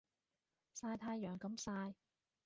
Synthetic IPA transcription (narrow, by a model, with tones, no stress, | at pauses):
saː˧jt̪ʰaː˧jːœː˨˩ŋkɐ˨˧˥msaː˧j